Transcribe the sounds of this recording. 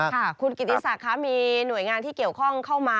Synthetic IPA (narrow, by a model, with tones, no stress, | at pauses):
kʰa˥˩kʰu˧nki˨˩t̪ːi˧˥sa˨˩kʰa˦˥miː˧nu˨˩əjŋaː˧nt̪ʰiː˥˩ki˨˩əwkʰɔ˥˩ŋkʰa˥˩wmaː˧